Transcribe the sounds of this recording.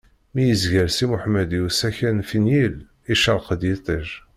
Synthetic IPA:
mijəzʝælsimʊħmæd̪jusæçænfinjil | iʃəɾˤqəd̪jet̪ˤiʒ

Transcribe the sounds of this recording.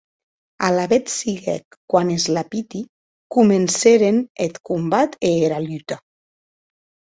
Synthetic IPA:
alaβet̪siɣɛ̰kːwanezlapit̪i | kumenseɾenet̪kumbat̪eːɾalyt̪a

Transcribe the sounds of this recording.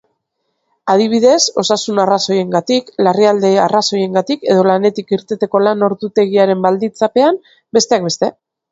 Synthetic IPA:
að̞iβ̞iðe̞so̞sasunaraso̞je̞ŋɡat̪iklariald̪e̞araso̞je̞ŋɡat̪ike̞ð̞o̞lane̞t̪ikiɾt̪et̪eko̞lano̞ɾðut̪e̞ɣiaɾe̞mbald̪int͡sape̞am | be̞st̪e̞ak̚be̞st̪e̞

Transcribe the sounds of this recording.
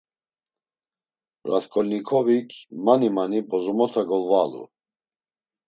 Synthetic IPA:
ɾa̰skʰʼɔlʲnikʰɔvikʰmanimanibɔzɔmɔt̪ʰaɡɔlvalṵ

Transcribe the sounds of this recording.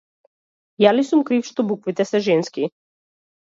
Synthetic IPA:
jalisumkɾifʃt̪ɔbukvit̪ɛsɛʒɛnski

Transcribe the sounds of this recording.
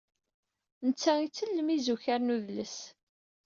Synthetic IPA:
nət͡sːæit͡sːəlːəmizuçaɾnuðləs

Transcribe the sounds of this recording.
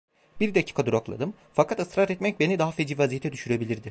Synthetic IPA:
biɾd̪acʰi̥ːkʰad̪uɾaklˠa̰d̪ɯm | fakʰat̪ɯst̪ɾat̪ɛt̪mɛc̚be̞nid̪aɦafed͡ʒivazijet̪ʰɛd̪yʃyɾebilʲiɾd̪ɪ

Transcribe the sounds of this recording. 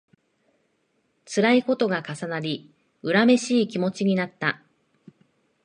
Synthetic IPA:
t͡sɨɾaiko̞t̪o̞ɡakasanaɾʲi | ɯ̟ɾame̞ɕiːkʲimo̞t͡ɕiɲ̟inat̪ːa

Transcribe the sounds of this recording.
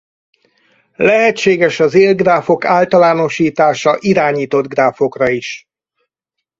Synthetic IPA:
lɛɦɛt͡ʃːeːɡɛʃɒzeːlɡraːfo̞kaːlt̪ɒlaːno̞ʃiːt̪aːʃɒʔiɾaːɲiːt̪o̞d̪ɡraːfo̞krɒiʃ

